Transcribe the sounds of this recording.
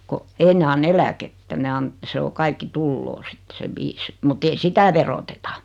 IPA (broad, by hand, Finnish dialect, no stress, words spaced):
ko ei ne ɑnː elæketːæ ne ɑn se o kɑikːi tulːoː sit se ʋiːs mut ei sitæ ʋerotetɑ